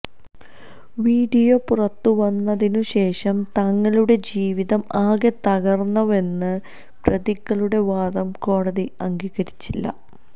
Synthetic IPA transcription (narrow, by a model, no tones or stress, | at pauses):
ʋiːɖijo̞purɐt̪ːuʋɐnːɐðinuɕe̞ːʂɐmt̪ɐŋːɐɭuɽe̞d͡ʑiːʋiðɐmaːɣet̪ɐɣɐrnːɐʋe̞nːɨ | prɐðiɣːɐɭuɽe̞ʋaːd̪ɐmko̞ːɽɐðiɐŋɡiːɣɐɾit͡ɕːilːɐ̰